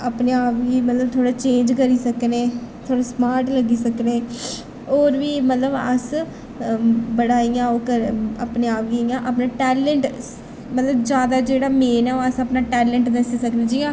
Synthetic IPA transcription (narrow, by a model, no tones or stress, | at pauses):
əpneːaːpɡiːmət̪ləb̚t̪ʰoːɽaːt͡ʃẽːnd͡ʒkəɾiːsəkneːt̪ʰoːɽasmaːɾʈləɡiːsəkneː | oːɾʋiːmət̪ləbə̰s | bəɽaːijãːoːkəɾəpneːaːpɡiijãːʔəpnaːʈɛːləɳʈ | mət̪ləbd͡ʒjaːd̪aːd͡ʒeːɽaːmeːnɛːoːəsəpnaːʈɛːlə̃ɳʈd̪əsiːsəknẽːd͡ʒiːãː